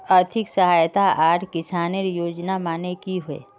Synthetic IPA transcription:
əɾt̪ʰɪksɐɦaːjt̪aaːʈkɪsaːneɾjoːd͡ʒnamaːnekiɦʊḛː

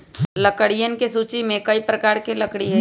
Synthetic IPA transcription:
lɐkəɽijənkesuːt͡ʃimẽkɐipɾɐkaːɾkelɐkɽiɦɛ

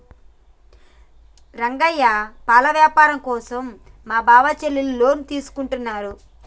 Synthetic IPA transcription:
ɾɐŋɡɐjːapaːlɐʋjaːpaːɾɐmkɔːsɐmːaːbaːʋɐt͡ʃelːillo̞ːnit̪iːsu̥kuɳʈunːaːɾu

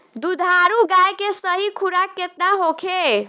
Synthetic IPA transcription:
d̪ud̪ʱaɾuɡajkesəɦikʰuɾakːet̪naɦokʰe

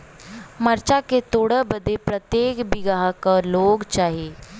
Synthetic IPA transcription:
məɾt͡ʃaket̪oːɽəbəd̪ʱepɾət̪jeːkbiɡaɦakəloːɡt͡ʃaːɦe

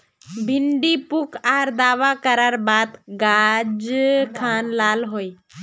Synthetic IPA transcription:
bʱɪɳɖipʊkʰaːɾd̪aːʋakəɾəɾbaːd̪ɡaːd͡ʒkʰaːnlaːlɦoːiː

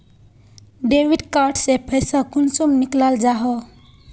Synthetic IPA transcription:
ɖewiɖkaɾʈsepʰəjsʌ̃kunsumniklald͡ʒaɦɔ

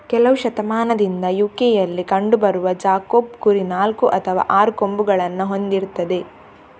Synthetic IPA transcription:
kɛlɐʋuʃɐt̪ɐmaːnɐd̪ind̪ɐjuːkejɐlːikɐɳɖubɐɾuʋɐd͡ʒaːkoːbkuɾinaːlkuʔɐt̪ʰɐʋa̰ːʔaːɾuko̞mbuɡɐɭɐnːɐɦo̞nd̪iɾt̪ɐd̪e̞

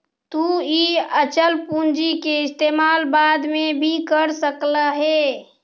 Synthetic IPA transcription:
t̪uiət͡ʃəlpũnd͡ʒikeɪst̪eːmaːlbaːd̪mẽbʱikəɾsəkləɦe

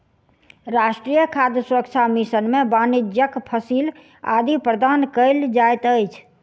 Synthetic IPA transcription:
ɾasʈɾijəkʰad̪jəsuɾək̚t͡ʃʰamisənmebanid͡ʒjəkpʰəsil | a̰d̪ipɾəd̪ankəɪld͡ʒajt̪əjt͡ʃʰ

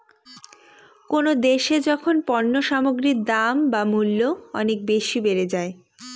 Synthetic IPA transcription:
konod̪eʃed͡ʑɔkʰonpɔnːoʃamoɡɾid̪ambamulːoɔnek̚beʃibeɾed͡ʑae

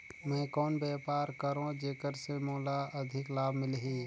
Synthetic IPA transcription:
mɛ̃ːkɔːnbɛːpaːɾkəɾõd͡ʒeːkəɾsemoːlaɐd̪ʱɪklaːbmɪlɦiː

